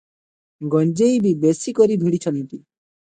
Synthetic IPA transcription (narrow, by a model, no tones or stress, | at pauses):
ɡɔnd͡ʒejbibesikɔɾibʱiɽit͡ʃʰɔnt̪i